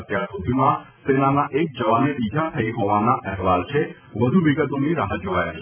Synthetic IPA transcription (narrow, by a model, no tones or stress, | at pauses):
ət̪jaɾsud̪ʱimã | senanaʔek̚d͡ʒəʋanebid͡ʒʱat̪ʰəiɦɔʋanaʔɛɦʋalt͡ʃʰe | ʋəd̪ʱuʋiɡət̪oniɾaɦət̪̚d͡ʒoʋajat͡ʃʰe